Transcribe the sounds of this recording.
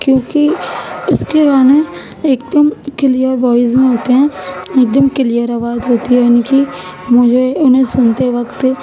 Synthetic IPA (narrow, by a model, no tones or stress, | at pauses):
kjõːkiʊskeɡaːne | eːk̚d̪əmkɪlijəɾʋɔːɪzmẽɦoːt̪eɦɛ̃ːeːk̚d̪əmkɪlijəɾɐʋaːt̪ɦoːt̪iɦɛaniki | mʊd͡ʒʱeʊnɦẽsʊnt̪eʋɐkt̪